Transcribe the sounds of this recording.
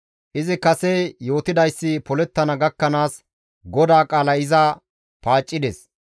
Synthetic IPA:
ʔɪzɪkɐsejo̞ːt̪ɪd̪ɐjsːɪpɔlɛt̪ːɐnɐɡɐkːɐnaːs | ɡɔd̪aːkʼaːlɐɪza | paːt͡ʃʼːɪd̪ɛs

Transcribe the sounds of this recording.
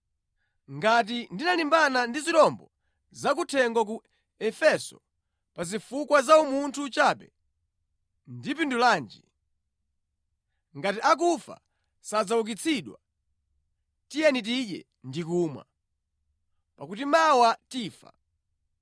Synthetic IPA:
ŋɡat̬indinalimbanandiziɗɔmbɔ | zak̬utʰɛŋɡɔk̬u | ɛfɛsɔ̰ | pazifukwazaumuntʰut͡ʃaːpɛ̰ | ndipindulaːnd͡ʒḭ | ŋɡatiʔak̬ufa̰ | sad͡zauk̬it͡sʰiɗwa | tijɛnit̬iɗɛ̰ | ndikumwa̰ | pakutimawatiːfa̰

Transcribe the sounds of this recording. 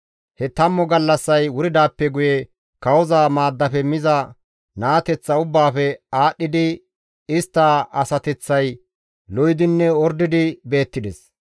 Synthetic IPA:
hɛt̪ɐmːɔɡɐlːɐsːɐjwʊɾɪd̪aːpːɛɡʊjɛ | kɐwɔzaːmaːd̪ːɐfɛmɪzɐ | naːt̪ɛt͡sːɐʊbːaːfɛaːɗːɪd̪ɪ | ɪst̪ːaːɐsɐt̪ɛt͡sːɐj | lɔjɪd̪ɪnːɛɔɾd̪ɪd̪ɪbe̞ːt̪ːɪd̪ɛs

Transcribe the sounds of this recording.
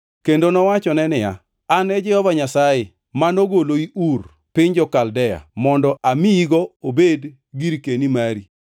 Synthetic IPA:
kendonɔwat͡ʃɔnɛnɪja̰ | anɛd͡ʒɛhɔvaɲasajɪ | manoɡoloiʔur | pɪɲd͡ʒɔkaldɛja̰mɔndɔʔamiiɡɔobed | ɡiɾkenimaɾi

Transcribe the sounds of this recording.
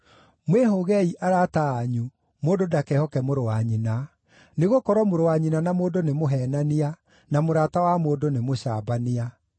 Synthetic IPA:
mweɦoɣɛiʔaɾataːɲu | moːdodakɛhɔkɛmoɾowaɲina | neɣokɔɾɔmoɾowaɲinanamoːdonemoɦɛːnania | namoɾatawamoːdonemoɕa̰ːbania

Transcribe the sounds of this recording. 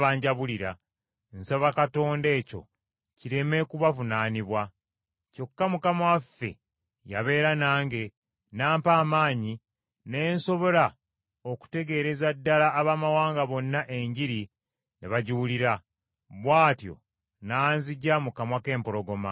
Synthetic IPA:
βaːɲɟaβuliɾa | nsaβakato̞ːnde̞ːco̞̰ | ciɾe̞me̞kuβavunaːniβwa | co̞kːamukamwafe̞̰ | jaβe̞ːɾanaːŋɡe̞ | naːmpaːmaːɲi | ne̞ːnso̞βo̞la | o̞ku̥te̞ɡe̞ːɾe̞zadːalaʔːβaːmawaːŋɡaβo̞nːaʔeɲɟiɾi | neβaɟuuliɾa | βwaːtjo̞̰ | nanziɟamukamwake̞ːmpo̞lo̞ɡo̞ma

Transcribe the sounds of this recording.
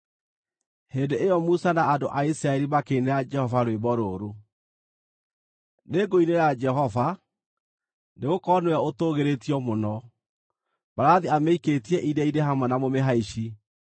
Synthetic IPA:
hendeʔejɔmusanaadoʔaisɾaɛɾimakeːneɾad͡ʒɛhɔvaɾowebɔɾoːɾo | neɡoineɾad͡ʒɛɦɔva | neɣokɔnwɛotoɣeɾetiɔmonɔ | baɾaðiameiketiɛʔidɛideɦamwanamomeɦaiʃi

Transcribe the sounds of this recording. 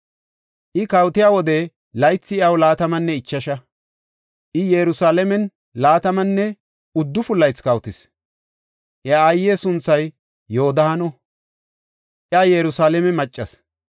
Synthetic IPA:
ʔɪkɐwt̪ɪjaːwɔd̪ɛ | lɐjt͡sːɪɪɐwlaːt̪ɐmɐnːɛɪt͡ʃːɐʃɐ | ʔɪjɛɾʊsaːlɛmɛn | laːt̪ɐmɐnːɛ | ʊd̪ːʊfʊlːɐjt͡skɐwt̪ɪs | ʔɪːjːeːsʊnt͡sːɐjː | oːd̪ɐhɐnɔ | ʔɪaːjɛɾʊsaːlɛmɛmɐt͡ʃʼːɐs

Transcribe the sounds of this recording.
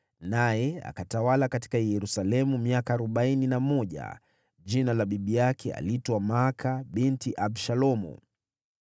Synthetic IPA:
najɛa̰katawalakati̥kajɛɾusalɛmumiakaːɾɔɓaininamɔʄa̰ | ʄinalaɓiɓijakʰɛa̰litwamakʰaɓintiʔabʃalɔmṵ

